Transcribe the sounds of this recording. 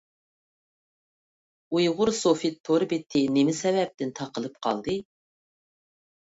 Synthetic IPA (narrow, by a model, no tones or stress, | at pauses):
ujʁʊɾsofit̪ʰːoɾbɪt̪ʰːɪnɪmɪsɛvɛp̚t̪ɪnt̪ʰɑqəlˠɨp̚qʰɑ̰lˠd̪ɨ